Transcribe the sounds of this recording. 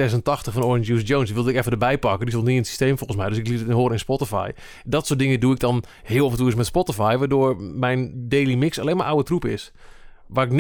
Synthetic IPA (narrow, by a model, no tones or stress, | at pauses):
ɛs̬əntɔxtəxfɔnɔɹɪnsjuːsjownsdiʋɪlˠdəɪkɛfədəbɛjpɑkədisɔlˠniənsi̥steːmfolˠən̩smɛjdøsɪklitɪnɦoːɾəɪnspɔtəfa̰j | dɔtsoːt̚dɪŋəduɪk̚dɔn | hɪːlˠɔfəntuəɪsmɛtspɔtɪfajʋaːdoːɹmɛjndejlimɪksaleːnmaɹʔawətrupɪs | ʋaːrɪkn